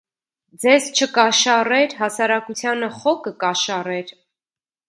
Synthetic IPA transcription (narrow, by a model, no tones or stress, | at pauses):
d͡zɛzt͡ʃʰəkɑʃɑrɛɾɦɑsɑɾɑkut͡sʰjɑnəχɔkəkɑʃɑrɛɾ